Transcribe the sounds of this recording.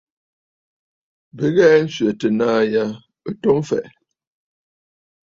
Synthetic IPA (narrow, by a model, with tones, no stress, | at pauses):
bə˨˦ɣɛ˦n̩˦sɥə˨tə˨naː˦ja˦ | ə˦to˦m˦fɛ̰˨ʔ